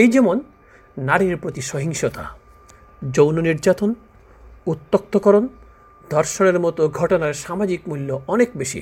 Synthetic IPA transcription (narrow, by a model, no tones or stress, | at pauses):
ejd͡ʑɛmonː | aɾiɾpɾot̪iʃɔɦiŋʃot̪a̰ | d͡ʑownoniɾd͡ʑat̪on | ut̪ːok̚t̪okɔɾon | d̪̥ʱɔɾʃoneɾmɔt̪oɡʱɔʈonaɾʃamad͡ʑikmulːoɔnekbeʃḭ